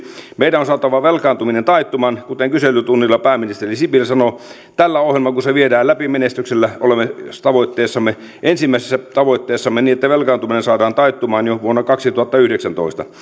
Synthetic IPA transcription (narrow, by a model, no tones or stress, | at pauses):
meidæonsɑːt̪ɑʋɑʋelkɑːnt̪uminent̪ɑit̪ːumɑːnkut̪eŋkyselːˑyt̪unːilːɑpæːmːinist̪erisipilsɑno | t̪ælːæohjelmɑkuseʋiedæːlæpimenest̪ykselːæʔolemːest̪ɑʋoit̪ːeːsːɑmːe | ʔensimːæˑisesːæt̪ɑʋoit̪ːeːsːɑmːeniːet̪ːæʋelkɑːnt̪uminensɑːdɑːnt̪ɑit̪ːumɑːnjoʋuonːɑkɑksit̪uhɑt̪ːɑyhdeksænt̪o̰ist̪ɑ